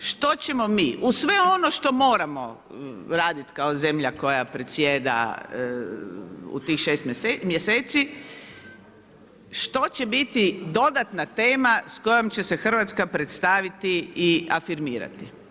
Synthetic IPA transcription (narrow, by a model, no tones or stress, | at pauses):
ʃt̪o̞t͡ɕe̞mo̞miːʔusʋe̞o̞noʃt̪o̞mo̞ːɾamo̞ | ɾaːd̪it̪kaozemʎako̞japɾet̪sjeːd̪a̰ | ṵt̪iːxʃest̪mmjeseːt̪si | ʃt̪o̞t͡ɕebit̪id̪o̞d̪at̪nat̪e̞ːmasko̞jomt͡ɕe̞se̞xr̩ʋat̪skapɾet̪st̪aʋit̪iiafiɾmiːɾa̰t̪i